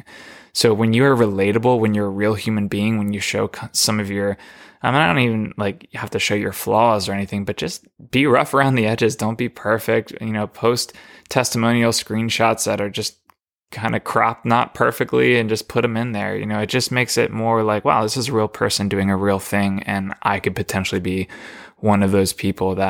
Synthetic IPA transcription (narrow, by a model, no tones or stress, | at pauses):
soʊwɨ̃njɨə˞ɹɨleɪɾəbl̩ˠwə̃ɨ̃njə˞ɹilˠhjʉmɨ̃nbiɪ̃ŋwɨ̃njɨʃoʊkʰsʌ̃mʌvjə˞ʔãɪmɪdõʊ̃nivɨ̃n̩laɪkhæftɨʃoʊjə̰˞flɔzə˞ɛniθɪ̃ŋbʌt̚d̥ʒ̥ʌs | b̥iɹʌfə˞ãʊ̃nðiɛd͡ʒɨzdõʊ̃nb̥ipʰɜ˞fɪk̚t̚jɨnoʊpʰoʊstʰɛstəmõʊ̃nil̩ˠskɹĩnʃɑtsðɨɾə˞d͡ʒʌs | kʰãɪ̃ndɨkʰɹ̥ɑ̰p̚nət̚pʰɜ̰˞fɨk̚tʰˡliɨ̃nd͡ʒʌspʰʊɾɨ̃mɨ̃nðə̰˞jɨ̰noʊɨt̚d̥ʒ̥ʌsmeɪksɪ̰t̚mɔɹlaɪkwɛ̰lˠðɪsɨzəɹilˠpʰɜ˞sɨ̃n̩dʉɪ̃ŋɨɹilˠθɪ̃ŋɨ̃nʔa̰ɪkɨd̚pʰɨtʰɛ̃nʃl̩ˠibiwʌ̃nʌvðoʊz̥pʰipʰl̩ˠðə